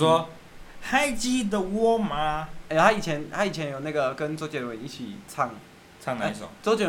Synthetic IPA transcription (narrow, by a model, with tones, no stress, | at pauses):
ɔ˦ | ha˥˦ɪt͡ɕi˦d̪ə˨wɔ˦˥ma˨˦˧t̪ʰa˥i˨˩t͡ɕʰjɛ˧˦nt̪ʰa˥i˨˩t͡ɕʰjɛ˧˦njo˨˩na˥˩ɡə˨˩kə˦˥nt͡so˥˦ʊt͡ɕjɛ˨˩d̪ə˨wɛ˧˩˨i˥˩t͡ɕʰi˨˩t͡sʰa˥˧˨ŋ | t͡sʰa˥˩ŋna˧˦i˥˧˩o̰˨˩ŋt͡so˦ʊt͡ɕjɛ˨˩